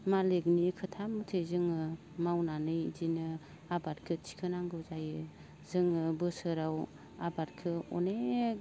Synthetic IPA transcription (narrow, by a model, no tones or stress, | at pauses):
maleɡnikʰɯtʰamɯtʰezɯŋɯ | mawnanɯjzinɯ | abat̚kʰɯt͡ʃʰi̥kʰɯnaŋɡɯzajɯ | zɯŋɯbɯsɯɾaw | abat̚kʰɯɔ̰ne